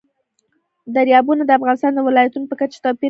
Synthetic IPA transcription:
d̪aɾjɑbunad̪əafɣɑnɪst̪ɑnd̪əwɪlɑjat̪unopəkat͡ʃḁt̪ɑpi

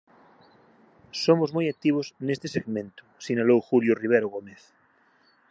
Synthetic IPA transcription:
somozmojak̚t̪iβ̞osnest̪eseɣmẽnt̪ʊ̥siɲalowxuljoriβ̞eɾoɣomeθ

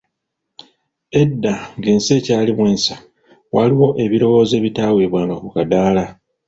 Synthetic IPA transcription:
e̞dːaŋɡeːnse̞ːcaːlimwe̞ːnsḁ | waliwo̞ʔe̞βiɾo̞wo̞ːze̞ːβitaːwe̞ːβwaːnokukadaːla

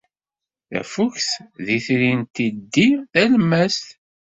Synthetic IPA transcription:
æ̰fuçθðiθɾint̪id̪ːiθælmːæst̪

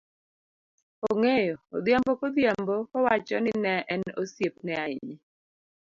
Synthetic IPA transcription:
oŋejo̰ːd̪jambokod̪jambokɔwat͡ʃɔ̰nɪnɛʔɛno̰sjep̚nɛaɪɲi

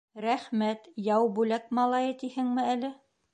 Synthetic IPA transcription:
ɾæχmæt̪jɑwbʉlæk̚mɑlˠɑjɤ̆t̪ihɘŋmɘælɘ

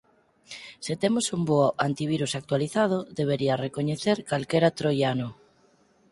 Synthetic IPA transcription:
set̪emosumboant̪iβ̞iɾusak̚t̪waliθað̞oðeβ̞eɾiarekoɲeθeɾkalkeɾat̪ɾojano

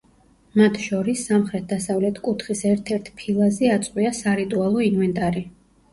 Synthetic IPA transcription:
mat̪ʰʃɔɾisːamχɾɛt̪̚d̪asavlɛt̪ʰkʼut̪ʰχisɛɾt̪ʰɛɾt̪ʰpʰilˠazɛat̪sʼqʼwiasaɾit̪ʼualˠɔinvɛnt̪ʼaɾi

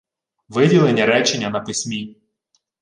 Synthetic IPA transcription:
ʋɪdʲilˠenʲːɐɾɛt͡ʃenʲːɐnɐpɪsʲmʲi

